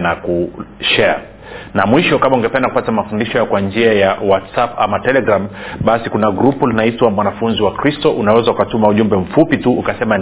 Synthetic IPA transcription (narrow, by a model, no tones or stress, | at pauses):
nakuʃɛa̰ | namwiʃɔkamauŋɡɛpɛndakupatamafundiʃɔjakwand͡ʒiajawatsapamatɛlɛɡɾamɓasikunaɡɾupulnaitwamwanafunziwakɾistɔʔunawɛzaukatumauʄumbɛɱ̩fupituːkasɛma